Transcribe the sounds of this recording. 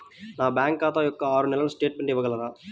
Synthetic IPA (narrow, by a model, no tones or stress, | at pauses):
naːbjaːŋkːaːt̪ajɔkːɐaːɾunɛlɐlusʈeːʈ̚meɳʈiʋːɐɡɐlːɐɾaː